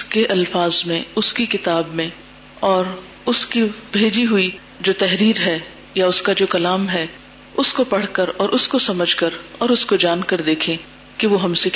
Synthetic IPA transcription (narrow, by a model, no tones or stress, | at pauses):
keʔɐlfaːzmẽʊskikɪt̪aːbmẽ | ɔːɾ | ʊskibʱeːd͡ʒiɦui | d͡ʒoːt̪ɛɦɾiːɾɦɛ | jaʊskad͡ʒoːkɐlaːmɦɛː | ʊskopɐɽ̤kəɾɔːɾʔʊskosɐməd͡ʒʱkɐɾɔːɾʊskod͡ʒaːnkɐɾd̪eːkʰẽ | keʋoɦɐmse